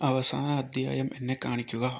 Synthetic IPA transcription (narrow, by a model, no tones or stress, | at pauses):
ɐʋɐsaːnɐːd̪ʱja̰ːjɐmʔenːekaːɳikʲːuɣɐ